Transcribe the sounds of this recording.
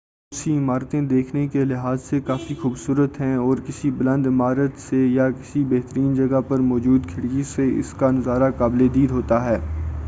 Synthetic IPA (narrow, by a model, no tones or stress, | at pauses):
ʊsiɪmaːɾt̪ẽd̪eːkʰnekelɪɦaːzsekaːfixuːbsuːɾət̪ɦɛ̃ɔːɾkɪsiblɐ̃nd̪ɪmaːɾət̪sejakɪsibɛɦt̪əɾiːnd͡ʒɐɡapɐɾmɔːd͡ʒuːd̪kʰɪɽɡiseɪ̰skanɐzaːɾakaːbled̪iːd̪ɦoːt̪aɦɛː